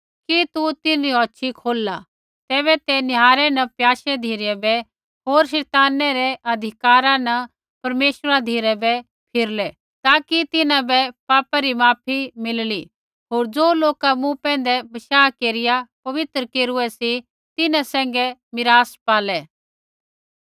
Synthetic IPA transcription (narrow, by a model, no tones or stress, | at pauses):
kit̪ut̪ɪnɾiɦɔːʃʰikʰoːlːa | t̪ɛːβɛt̪ɛnɪɦaːɾɛnɐpjaːʃɛd̪ʱiːɾɛbɛ | ɦoːɾʃɛːt̪aːnɛɾɛʔɐd̪ʱɪkaːɾãnɐ | pɐɾmeːʃɾad̪ʱiːɾɛbɛ | pʰɪɾlɛ | t̪aːkit̪ɪnãbɛpaːpaɾimaːpʰimɪlli | ɦoːɾd͡zoːloːkamũpɛ̃ːn̆d̪ɛbɐʃaːkeːɾɪjapɐʋɪt̪ɾəkeːɾuɛsi | t̪ɪnãsɛ̃ːŋ̆ɡɛmɪɾaːspaːlɛ